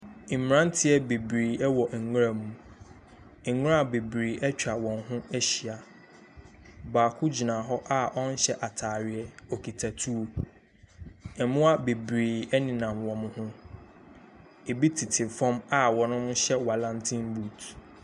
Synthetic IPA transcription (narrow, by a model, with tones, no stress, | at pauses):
m˨ɾã˦n˦tʰɪ˦ɛ˦be˨bɾiː˨ɛ˦wɔ˨ʔ̩˨ŋ˦a˨mũ˨˦ | ŋ˦ɾã˦˨be˨bɾiː˨ʔɛ˦t͡ɕᶣa˨wɔ̃˨nɦʊ̃˦ɛ˦ɕi˨a˨ | baː˨kʰʊ˦d͡ʑi˨nã˨ɦɔ˦ʔa˦ɔ̃˦n̩˦ɕɛ˦ʔa˨tʰaː˨ɾɪ˨ɛ˦o˨kʰi˨tʰa˨tʰu˦o˦ | ɛ˨mʊ̃˦a˦be˨bɾiː˨ɛ˦nɪ̃˨nã˨mwɔ̃˨mʊ̃˦hʊ̃˦ | e˨bi˦tʰi˨tʰɪ˨fɔ̃˦ma˦wɔ˨nʊ̃˦mʊ̃˦ɕɛ˦wa˨lã˦ntʰĩ˦mbu˨t